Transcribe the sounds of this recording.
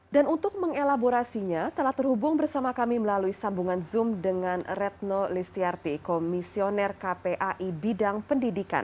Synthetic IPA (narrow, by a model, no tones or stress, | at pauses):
danunt̪ʊk̚məŋelaboɾasiɲat̪əlaht̪ərhubʊŋbərsamakamiməlaluisambuŋanzʊmdəŋanrɛt̪̚nolist̪iart̪ikomisionɛrkapeʔaʔibidaŋpəndidika̰n